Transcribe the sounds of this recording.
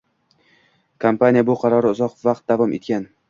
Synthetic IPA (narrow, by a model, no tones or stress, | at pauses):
kʰampanʲijabʊqʰɑɾɒɾɪʊzɒqvaq̚t̪̚d̪avɒmʔe̞t̪̚kʲan